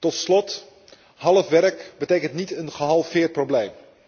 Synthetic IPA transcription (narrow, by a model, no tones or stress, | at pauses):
tɔtslɔt | ɦɑlˠəfʋɛrkbətejkəntnitənχəɦɑlˠfɪːɹprowblejm